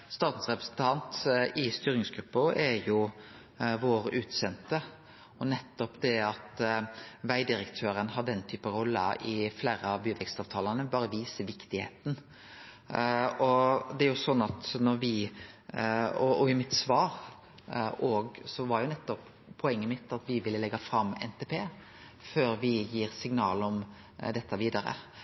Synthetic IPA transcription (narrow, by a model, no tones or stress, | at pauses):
st̪ɑːt̪n̩sʁɛpɾə̥snt̪ʰɑnt̪ɪst̪yːɾɪŋsɡɾʉpːəɛɾjʊ | ʋoːɾʉːt̪sɛnt̪ə | ɔnɛt̪ːɔpd̪ɛɑt̪ | ʋæɪd̪ɪɾəkt̪ʰøːɾənhɑɖɛnt̪ʰyːpəɾɔlːə̰ɪfleːɾəɑʋbyːʋɛkst̪ɑːʋt̪ʰɑːlənəbɑːɾəʋiːsəʋɪkt̪ɪhḛːt̪n̩ | ɔd̪ɛæɾjʊsɔnːɑt̪nɔɾʋɪ | ɔɔɪmɪt̪sʋɑːɾ | oːɡsɔʋɑɾjʊnɛt̪ːɔp | pʰːɔɛŋːəmɪt̪ːɑt̪ʋɪʋɪlːəlɛɡːɑfɾɑmːɛ̰nt̪ʰeːpʰeː | føːɾʋɪjiːɾsɪŋnɑːlɔm | d̪ɛt̪ʰːəʋiːd̪ɑɾə̰